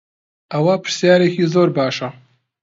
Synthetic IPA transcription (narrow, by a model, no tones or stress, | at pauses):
ɐwɐpɨ̥ɾ̥sjaːɾekiːzoːɾbaːʃɐ